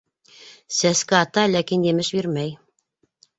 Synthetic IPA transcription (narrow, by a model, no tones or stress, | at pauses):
sæskɘɑt̪ɑlækinjɘ̆mɘʃbiɾmæj